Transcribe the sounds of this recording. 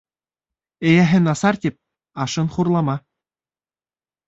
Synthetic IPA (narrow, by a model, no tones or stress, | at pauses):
ɘ̆jæɦɘ̆nɑsɑrt̪ʲip̚ | ɑʂɤ̆nχurlˠɑmɑ